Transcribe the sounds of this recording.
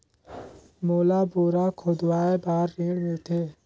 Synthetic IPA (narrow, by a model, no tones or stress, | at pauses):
moːlaːboːɾaːkʰoːd̪waːebaːɾːĩːɽɡeːt̪ʰeː